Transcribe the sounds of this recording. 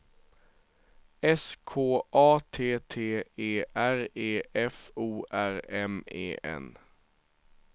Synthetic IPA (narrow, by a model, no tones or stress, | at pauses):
ɛskʰoːʔɑːt̪ʰeːt̪ʰeːeːʔæɾeːʔɛfuːʔæɾɛmḛːʔɛ̰n